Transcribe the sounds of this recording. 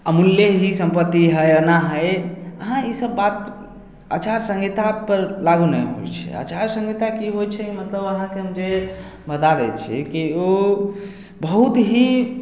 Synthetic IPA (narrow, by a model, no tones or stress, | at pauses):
əmuljeɦisə̃mpət̪ːiɦəjənaɦəjəɦãisəbːat̪ | at͡ʃaɾsə̃ŋɡit̪apəɾlaɡunəjɦo̰jt͡ʃʰɛ̰a̰t͡ʃaɾsə̃ŋɡit̪akiɦojt͡ʃʰɛkimət̪ləbəɦãkeɦəmd͡ʒe | bəd̪aɾət͡ʃʰḭkio | bəɦut̪ɦi